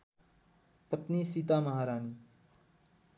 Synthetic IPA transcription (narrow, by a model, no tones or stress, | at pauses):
pət̪niːsiːt̪aːmɐɦaːɾaːniː